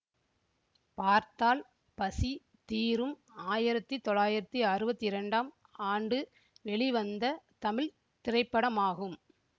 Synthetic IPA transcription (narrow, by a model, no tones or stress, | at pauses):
paːɾt̪aːl | pɐsi | t̪iːɾɯm | aːjɪɾɐt̪ːit̪ɔɭːaːjɪɾɐt̪ːiɐrɯbɐt̪ːiɪɾɐɳɖaːm | aːɳɖɯ | ʋɛɭiʋɐnd̪ɐt̪ɐmɪɻ | t̪ɪrɐɪpːɐɽɐmaːɣɯm